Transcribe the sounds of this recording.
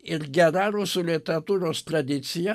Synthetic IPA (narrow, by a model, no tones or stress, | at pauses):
ɪɾɡʲɛɾɐɾusʊlʲɪt̪ʲɛɾɐt̪uːɾoːst̪ɾɐd̪ʲɪt̪sʲɪjɛ